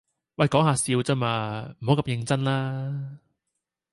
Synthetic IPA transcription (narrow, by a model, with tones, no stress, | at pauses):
wɐ˧˨jkɔː˨˥ŋhaː˨˧siː˧wt͡saː˥maː˧m̩˨˩ho˨˥wkɐ˧mjɪ˨˧ŋt͡sɐ˥nlaː˥